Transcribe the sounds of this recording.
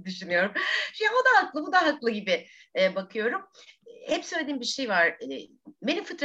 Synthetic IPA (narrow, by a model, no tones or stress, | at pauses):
d̪yʃynyjo̞ɾumʃjaod̪ahaklˠɯbud̪aɦaklˠɯɟibɪ | ɛbakʰɯjo̞ɾumhɛpsø̞jlʲed̪iːmbiɾʃejvaɾ̥ɛ | be̞nimfɯt̪ɾa